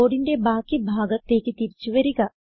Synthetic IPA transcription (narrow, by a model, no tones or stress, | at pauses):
oːɽiɳɖebaːkibʱaːɡɐt̪ːeːkit̪iɾt͡ʃuʋɐɾiɡɐ